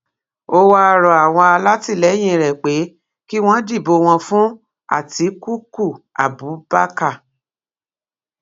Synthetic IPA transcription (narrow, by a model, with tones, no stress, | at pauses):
o˦wa˦˧ɾɔ˨a˨w̃ɔ̃˧a˧la˦ti˦˨lɛ˨˦j̃ĩ˦˧˨ɾɛ˨k͡pe˨˦ | ki˦w̃ɔ̃˦di˦˨bo˧w̃ɔ̃˧fũ˦ | a̰˦˨ti˨˦ku˦ku˦˨a̰˨bu˨˦ba˦ka˦˨